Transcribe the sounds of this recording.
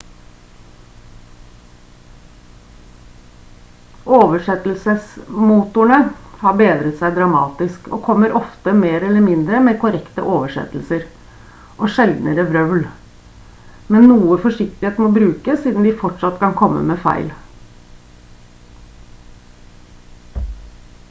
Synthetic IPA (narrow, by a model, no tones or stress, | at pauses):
ʔoːʋəʂɛt̪l̩səsmuːt̪ʊɳəhɑːbeːd̪ɾət̪sæɪd̪ɾɑmɑ̰ːt̪ɪskʰo̰ːkʰɔmːəɾʔɔft̪əmeːɾɛlːəmɪnd̪ɾəmeːkʰʊɾɛkt̪ə̰ʔoːʋəʂɛ̰t̪l̩səɾ | ʔoʂɛld̪n̩əɾəʋɾœʋl | mɛnːuːəfɔʂɪk̚t̪ɪeːt̪moːbɾʉːkəsiːd̪n̩d̪ɪfɔʈʂɑt̪kʰɑnkʰɔmːə̰meːfæ̰ɪl